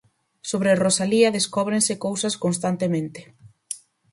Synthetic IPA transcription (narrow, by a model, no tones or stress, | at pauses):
soβɾerosaliɐðeskɔβ̞ɾẽnsɪkowsɐskonst̪ant̪emẽnt̪ɪ̥